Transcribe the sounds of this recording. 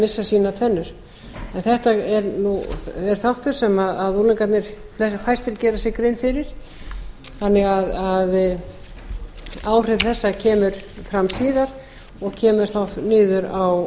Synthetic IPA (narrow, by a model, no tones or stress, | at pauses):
mɪsːasiːnat̪ʰɛnːʏɾ̥ | ɛnθɛht̪aɛɾnuθɛɾ̥θawht̪ʏɾ̥sɛmaðaðulɪŋkat̪nɪɾ̥ | lɛsfajst̪ɪɾcɛːɾasɛɣkɾejnfɪɾɪɾ̥ | θanːɪɣaðað | aːwr̥ɪvθɛsːacʰɛːmʏɾ̥fɾamsiːðaɾ | ɔɣcʰɛːmʏɾ̥θawnɪːðʏɾaw